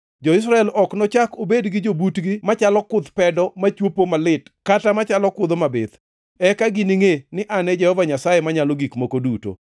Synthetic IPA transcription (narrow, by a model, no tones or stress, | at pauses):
d͡ʒɔɪs̬ɾaɛlɔknɔt͡ʃakobedɡɪd͡ʒobutɡimat͡ʃalɔkʊd̪pɛdɔmat͡ʃwopomalɪtkatamat͡ʃalɔkʊd̪omabɪd̪ | ɛkaɡɪniŋenɪʔanɛd͡ʒɛhɔvaɲasajemaɲaloɡikmokoduto̰